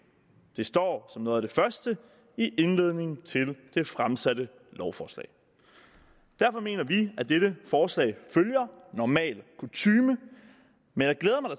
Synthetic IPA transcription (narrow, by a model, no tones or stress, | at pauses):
d̥e̝sd̥ɒ̰ːsɒ̽mno̽ːð̩ˠæd̥e̝fɶɐsd̥ə | iʔe̝nle̝ð̞̰ˠne̝ŋn̩t͡sʰe̝ld̥e̝fʁamsæd̥ə | lɒʊfɒ̰ːslɛ̰ɪ | d̥æɐfɒ̽me̝̰ːnɐʋiæd̥eɾ̥əfɒːslɛ̰ɪføljɐnɒmɛ̰ːlkʰut͡sʰyːmə | menjɑ̈ɪɡ̥leːð̞ˠɐmɑɪd